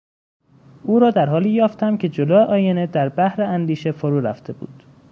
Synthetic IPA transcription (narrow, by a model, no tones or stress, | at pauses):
ʔuːɾɒːd̪æɾɦɒːliːjɒːft̪æmcʰe̞d͡ʒoloːeʔɒːjened̪æɾbæhɾeænd̪iːʃe̞foɾuːɾæ̰ft̪ʰe̞bṵːd̪̥